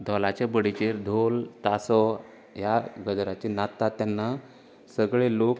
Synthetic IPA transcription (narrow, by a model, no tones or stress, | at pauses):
d̪ʱɔlat͡ɕabəɽit͡ɕeɾd̪ʱolt̪asɔ | jaɡəd͡zɾat͡ɕenat̪ːat̪ːjanːa | səɡɭelok